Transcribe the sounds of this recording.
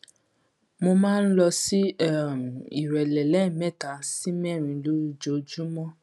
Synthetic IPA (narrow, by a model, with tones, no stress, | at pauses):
mo˧mãː˦˧n̩˦lɔ˧si˦ɛ˦˨m˨i˨ɾɛ˨lɛ˨lɛ˨˦˨mɛ˦˨ta˨˦si˦mɛ̃˦˨ɾ̃ĩ˧lu˦d͡ʒo˧˨d͡ʒu˦mɔ̃˦